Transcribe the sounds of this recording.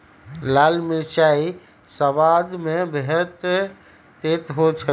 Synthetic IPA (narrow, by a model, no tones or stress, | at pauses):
lalmit͡ʃai | səʋad̪mebeɦət̪ | t̪et̪ɦot͡ʃʰə